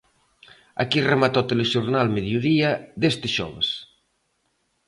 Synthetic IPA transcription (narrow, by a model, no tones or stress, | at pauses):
a̰kiremat̪ɔt̪eleʃoɾnalmeðjoðiaðest̪ɪʃɔ̰βḛs